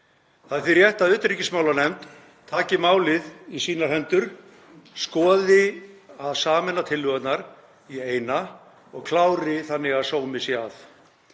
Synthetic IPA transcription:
θaðθiɾjɛht̪aðʏːt̪ɾicɪsmaːwlanɛmt̪ʰː | aːcɪmaːwlɪðisiːnaɾ̥ɦɛnt̪ʏɾ̥ | skɔːðɪaðsaːmɛnːat̪ʰɪlːʏɣat̪naɾ | ieːjna | ɔɣkʰlaːwɾɪθanːɪɣaðsoːwmɪsɛaθ

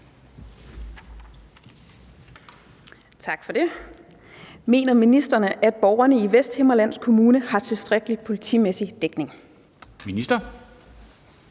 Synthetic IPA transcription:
t͡sʰɑ̈ɡ̥fɒ̽d̥e̝ | me̝̰ːnɐminisd̥ɐnəʔæd̥̚b̥ɒʊ̰ɐnəiʋesd̥he̝mɐlæn̰skʰo̝muːnəhɑ̈t͡sʰe̝lsd̥ʁaɡ̥əlipʰo̝lit͡sʰḭːmesid̥eɡ̥ne̝ŋ | minisd̥ɐ

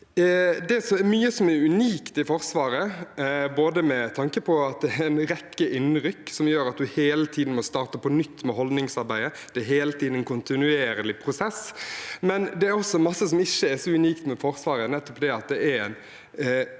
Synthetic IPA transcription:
d̪ɛsɔɛɾmyːəsɔmɛɾʉniːkt̪ɪfɔɾsʋɑːɾəboːd̪əmɛt̪ʰɑŋkəpʰɔɑt̪̚d̪ɛɾɛɪnɾɛkːəʔɪnːɾʏkːsɔmjøːɾɑt̪̚d̪ʉheːlət̪ʰiːd̪n̩mɔst̪ɑːɾt̪əpɔnʏt̪ːmɛɦɔld̪nɪŋsɑɾbæɪd̪əd̪̥ɛːɾɦeːlət̪ʰid̪n̩ɛnkʰʊnt̪ɪnʉeːɾəlɪpʰɾʊsɛsmɛnd̪ɛæɾɔsːɔmɑsːəsɔmɪçːəɛsɔʉniːkt̪mɛfɔɾsʋɑːɾənɛt̪ːɔpd̪ɛɑt̪̚d̪ɛæɾɛɪn

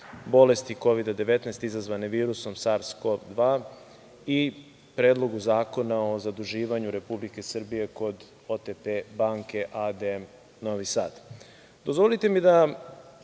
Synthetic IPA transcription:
bo̞le̞st̪iko̞ʋid̪ad̪e̞ʋe̞t̪nɛst̪izazʋaneʋiːɾuso̞msaɾskopd̪ʋaː | i | pɾeːd̪lˠo̞ɡuzaːko̞nao̞zad̪uʒiːʋaɲuɾe̞publike̞sr̩bije̞ko̞d̪ | ot̪epebaŋke̞ʔad̪e | noʋisa̰ːd̪ | d̪o̞zʋolit̪e̞mid̪a

